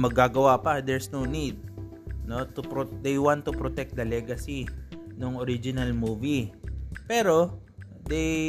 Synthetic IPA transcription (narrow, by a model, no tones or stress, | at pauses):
mɐɡːaɡɐwapɐd̪ɛɹsnownid̪̚not̪upɾod̪ejwãnt̪ːʊpɾot̪ɛk̚d̪ɐlɛɡɐsinʊŋoɾid͡ʒɪnɐlmuːvipɛːɾo | d̪ej